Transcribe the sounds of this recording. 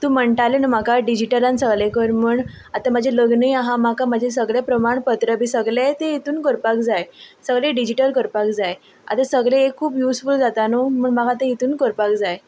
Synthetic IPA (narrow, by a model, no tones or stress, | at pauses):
t̪ũːm̤əɳʈalenəmakaɖid͡ʑiʈəɾãnsəɡlẽkəɾmuɳ | at̪amad͡ʑʱeləɡnəjaɦãmakamad͡ʑʱes̬əɡɭepɾəmaɳpət̪ɾəbʱisəɡɭajt̪eit̪uːnkəɾpakd͡zajsəɡɭẽɖid͡ʑiʈəɾkəɾpakd͡zaj | a̰t̪asəɡɭẽekʰːuːpjusfuld͡zat̪anomuːɳmakat̪eɦit̪uːnkəɾpakd͡zaj